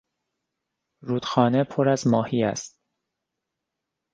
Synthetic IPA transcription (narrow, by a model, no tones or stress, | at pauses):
ɾuːd̪̥xɒːnepʰoɾæzmɒːhiːæ̰st̪̚